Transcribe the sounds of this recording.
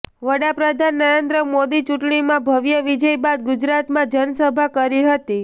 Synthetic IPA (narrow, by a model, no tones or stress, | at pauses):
ʋəɽapɾəd̪ʱanːəɾend̪ɾəmod̪it͡ʃuʈɳimãbʱəʋjəʋid͡ʒəjbad̪̚ɡud͡ʒɾat̪mãd͡ʒənsəbʱakəɾiɦət̪i